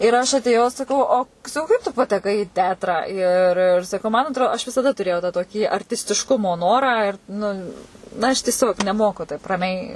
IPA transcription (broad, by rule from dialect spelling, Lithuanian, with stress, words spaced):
ɪr ɐʃ ɐtʲeːˈjɛʊ sɐˈkɐʊ oː sɐˈkɐʊ kɐɪp tʊ pɐtʲɛˈkɐɪ ɪ ˈtʲɛɐtrɑː ɪr ɪr sɐˈkɐʊ mɐn ɐtˈroː ɐʃ ʋʲɪsɐˈdɐ tʊˈrʲeːjɛʊ tɑː toːˈkʲiː ɐrʲtʲɪsʲtʲɪʃˈkʊmoː ˈnoːrɑː ɪr nʊ ɐʃ tʲiɛˈsʲoːk nʲɛˈmoːkʊ tɐɪp rɐˈmʲɛɪ